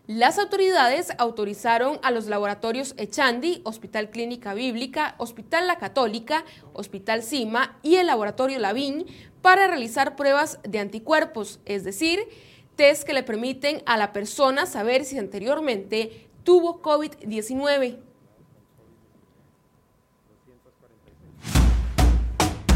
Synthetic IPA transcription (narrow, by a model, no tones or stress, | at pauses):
lasawt̪o̞ɾiðaðe̞sawt̪o̞ɾisaɾo̞ŋalo̞zlaβoɾat̪o̞ɾjo̞set͡ʃand̪io̞spit̪alklinikaβiβlikaʔo̞spit̪alːakat̪o̞lika | o̰spit̪alsimaie̞lːaβo̞ɾat̪o̞ɾjo̞laβinpaɾarealisaɾpɾwe̞βazd̪e̞ant̪ikwe̞ɾpo̞se̞zd̪e̞siɾ | t̪eske̞le̞pe̞ɾmit̪eŋalape̞ɾso̞nasaβe̞ɾsiant̪e̞ɾjo̞ɾmẽ̞nt̪e̞ | t̪uβo̞koβid̪ːje̞sinwe̞βe̞